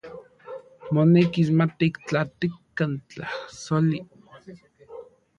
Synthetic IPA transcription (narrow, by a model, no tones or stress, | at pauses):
monekismat̪iikt͡ɬat̪ikːant͡ɬahsoli